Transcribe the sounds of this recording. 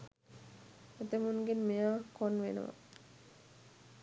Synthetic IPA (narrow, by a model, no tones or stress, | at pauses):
et̪əmunɡenmijaːkonʋḛnə̰ʋa̰